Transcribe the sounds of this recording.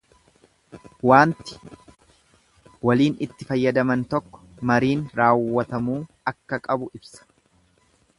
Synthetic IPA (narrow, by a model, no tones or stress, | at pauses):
waːnt̪ɪ̥ | wɐliːnɪt̪ːɪfɐjːɐd̪ɐmɐnt̪ɔkːɔ̥mɐɾiːnɾaːwːɐt̪ɐmuː | ɐkːɐkʼɐbʊʔɪbsɐ̥